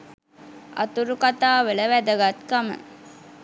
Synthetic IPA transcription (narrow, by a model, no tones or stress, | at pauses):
ɐ̰t̪uɾukat̪aːʋələʋæd̪əɡat̪kamə̰